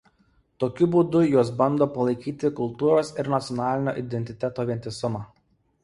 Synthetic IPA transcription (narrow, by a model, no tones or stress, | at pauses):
t̪oːkʲʊbuːd̪ʊjuɔsbɐnd̪oːpɐlˠɐɪkʲiːt̪ʲɪkʊlˠt̪uːɾoːsɪɾnɐt̪sʲɔnɑːlʲɪnʲo̰ːʔɪd̪ʲɛnʲt̪ʲɪt̪ʲɛt̪oːʋʲiɛnʲt̪ʲɪsʊmɑː